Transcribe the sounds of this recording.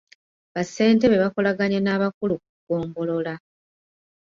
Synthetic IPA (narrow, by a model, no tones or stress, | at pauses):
βase̞ːnte̞βe̞βako̞laɡaɲenaːβakuluk̚uɡ̥o̞ːmbo̞lo̞la